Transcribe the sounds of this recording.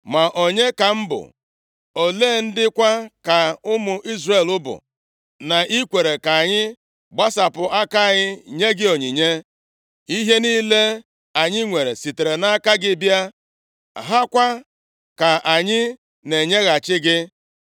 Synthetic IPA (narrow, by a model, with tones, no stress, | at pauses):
ma˨ʔo˨ɲe˦ka˨m̩˦bʊ̰˨ | o˨leː˦˨n̩˦dɪ˦kʷa˦ka˨ʊ˦mʊ˨ʔi˦zre˨lʊ˦bʊ̰˨ | na˨ʔi˦kʷe˨ɾe˨ka˨ɲɪ˦ | ɡ͡ba˦sa˨pʊ˨ʔa˦ka˦˨ɲɪ˦ɲe˦ɡɪ˦o˨ɲi˨ɲe˦ | i˦ɦe˦niː˦le˦ | a˨ɲɪ˦ŋʷe˨ɾe˨si˨te˨ɾe˨na˦ka˦ɡɪ˦bja˦ | ɦa˦kʷa˦ | ka˨ʔa˨ɲɪ˦ | ne˨ɲe˦ɣa˨t͡ʃɪ˦ɡɪ˦